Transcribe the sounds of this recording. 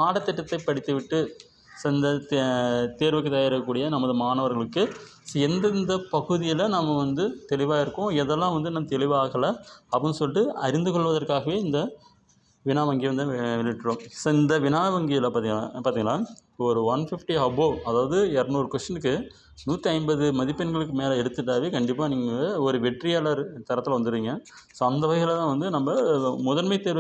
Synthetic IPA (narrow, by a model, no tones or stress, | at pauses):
aːɽɐt̪ːɪʈːɐt̪ːɐɪpːɐɽɪt̪ːɯʋɪʈːɯ | sɪnd̪ɐtt̪eːɾʋɯkːɯt̪ːajɪɾɐɐkːuːɽɪjɐnɐmːɐðɯmaːnɐʋɐɾɣɐɭɯkːɯ | sɛnd̪nd̪ɐpɐɣɯðɪjɪlɐnɐmːɐʋɐnd̪ɯt̪ɛɭɪʋaːɪɾɯkːʊ̃ɛðɛlːãːʋɐnd̪ɯnɐmːɐt̪ɛɭɪʋaːɣɐlɐɐpɐnɯsɔlɪʈːɯɐɾɪnd̪ɯkɔɭʋɐðɐɾkaːɣɐʋeːɪnd̪ɐ | ʋɪnaːʋɐŋɡiʋɐnd̪ɯʋɛlɪʋɪʈːrɯɾõːmsoːɪnd̪ɐʋɪnaːʋɐŋɡɪjɐlɐpaːt̪iŋpaːɾiːŋɡɐnãːɔɾɯʋɐnfɪfʈiɦɐboːɐðaːʋɐðɯɛɾɐnoːɾɯkʋɐsʈɐnɯkːɯ | nuːt̪ːɐɪmbɐðɯmɐðɪpːɐnɡɐɭɯkːɯmeːlɐɛɽɯt̪ːɯʈːaːʋeːkɐɳɖɪpːaːniːŋɡɐɔɾɯʋɛʈrɪjalɐɾt̪ɐɾɐt̪ːɪlɐʋɐnd̪ɯɾiːŋɡɐsoːɐnd̪ɐʋɐɣɐɣɐlt̪ãːʋɐnd̪ɯnɐmbɐmʊðɐɾmɐɪt̪ːeːɾʋɐ